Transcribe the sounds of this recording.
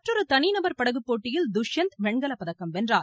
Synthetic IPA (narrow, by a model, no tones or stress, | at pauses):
mɐʈrɔɾɯt̪ɐninɐbɐɾpɐɽɐɣɯpːoːʈːɪjɪld̪ʊʂjɐnt̪ʋɛɳɡɐlɐpːɐðɐkːɐmʋɛndraːɾ